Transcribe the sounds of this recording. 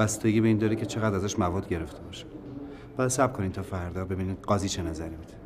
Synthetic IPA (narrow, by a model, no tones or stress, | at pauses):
bæst̪ʰeɡiːbeiːnd̪ɒːɾecʰe̞t͡ʃʰe̞ɣæd̪ɾæzæʃmævɒːd̪̥ɟe̞ɾe̞ft̪ʰe̞bɒːʃi̥ | b̥ɒːjæd̪sæb̚kʰonint̪ʰɒːfæɾd̪ɒːbe̞biːnid̪ɢɒːziːt͡ʃʰenæzæɾimid̪̥